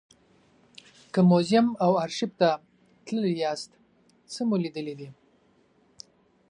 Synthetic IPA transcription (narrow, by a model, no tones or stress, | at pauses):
kəmozɪmawaɾʃɪb̚t̪a | t̪ləljɑst̪ | səmulid̪əlid̪i